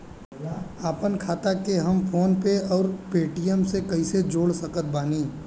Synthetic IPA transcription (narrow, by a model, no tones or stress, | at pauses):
aːpənkʰaːt̪akeɦɐmpʰoːnpeɔːɾpeːʈijəmsekɐised͡ʒoːɽsɐkət̪̚baːniː